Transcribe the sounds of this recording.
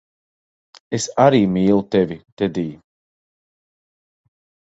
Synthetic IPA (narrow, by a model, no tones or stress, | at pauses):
esaɾiːmiːlˠut̪evit̪ɛd̪iː